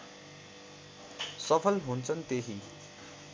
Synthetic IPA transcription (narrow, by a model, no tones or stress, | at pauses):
sʌpʰʌlɦunt͡sʰʌnt̪eɦi